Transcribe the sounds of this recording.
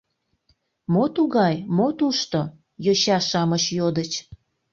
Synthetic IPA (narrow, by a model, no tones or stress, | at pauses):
mot̪uɣɑjmot̪uʃt̪o | joɕɑʃɑmət͡ɕjod̪ət͡ɕ